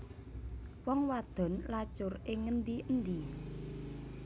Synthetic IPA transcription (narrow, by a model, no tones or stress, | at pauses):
wɔŋwad̪̥ɔ̤nlat͡ʃʊrɪŋːənd̪iʔənd̪i